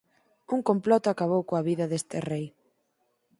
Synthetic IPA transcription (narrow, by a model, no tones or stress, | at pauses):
uŋkomplɔt̪ʊakaβowkoaβiðɐðest̪ɪrej